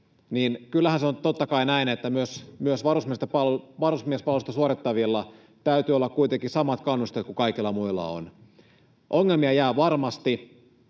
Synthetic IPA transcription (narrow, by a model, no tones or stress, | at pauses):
niːnkylːæhænseont̪ot̪ːɑkɑinæinet̪ːæmyøsmyøsʋɑrusmiest̪epɑlʋɑrusmiespɑlost̪ɑsuoɾit̪ːɑʋilːɑ | t̪æyt̪yːolːɑkkuit̪eŋkisɑmɑt̪kɑnːust̪et̪kukɑikilːɑmuilːɑ̰o̰n | ʔoŋːelmiɑjæːʋɑrmɑst̪i